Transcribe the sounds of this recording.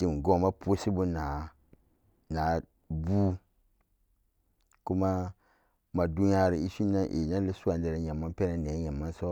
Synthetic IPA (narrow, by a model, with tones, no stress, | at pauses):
i˦m˨ɡo˦˨ma˦pu˦si˦bu˦na˨ | na˨˦ | bu˦ | ku˦ma˦ | ma˨du˦n˦a˦ɾi˨i˦su˦nːã˦ʔḛ˨na˦li˦su˦a˨n˦dɛ˨ɾa˨ɲa˨mːa˦pɛ˦na˨ne˨˦ɲa˨mːa˦n˦so˦